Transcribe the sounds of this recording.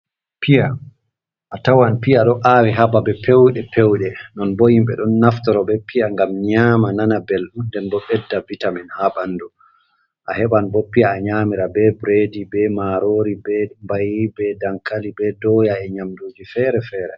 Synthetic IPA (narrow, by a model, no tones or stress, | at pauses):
pija | ʔatawanpijaɗɔʔaːwiɦababɛpʰewɗɛpewɗɛnɔnbojimɓɛ̰ɗɔnːaftɔɾɔbɛpijaŋɡamɲaːmananabɛlɗundɛnbɔɓɛdːabitaminhaɓanːdu | ʔahɛɓanbɔpːijaːɲaːmiɾabɛbɾedibɛmaɾoːɾibɛmbajibɛdaŋkalibɛdɔjaɛɲamduːd͡ʒifɛːɾɛfɛːɾɛ̰